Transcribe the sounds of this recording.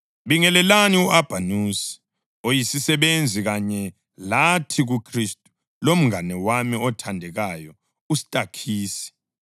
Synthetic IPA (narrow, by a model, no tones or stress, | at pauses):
βiŋɛlɛlaniuʔab̥ʱanusi̥ | ojisisɛβend͡zʱiɣaɲɛ | latʰiɣukʰristʼu̥ | lom̩ŋanɛwamiɔtʰandʱɛɣajɔ | usi̥tʼakʰiːsi̥